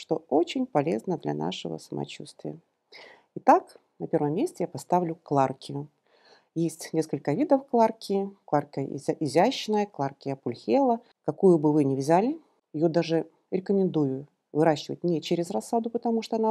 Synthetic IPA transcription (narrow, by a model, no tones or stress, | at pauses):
ʂt̪o̞o̞t͡ɕɪnʲpɐlʲe̞̰znəd̪lʲa̰na̰ʂɨvə̰səmɐ̰t͡ɕust̪vʲɪ̰jə | ɪt̪ak | nɐpʲe̞rvəmːʲesʲtʲɪjapɐst̪avlʲʊklˠarkʲɪjʊ | jesʲtʲnʲe̞skəlʲkəvʲid̪əfklˠarkʲʰɪklˠarkʲə̰ʔɪzʲæɕːɪnəjəklˠarkʲɪjəpʊlʲxʲelˠə | kɐkujʊbɨvɨnʲɪvzʲælʲɪ | jɪjod̪aʐɨ | ɾʲɪkəmʲɪnd̪ujʊ | vɨɾaɕːɪvə̰t̚ʲnʲɪt͡ɕeɾʲɪzrɐsːad̪ʊpət̪ɐmuʂt̪oɐna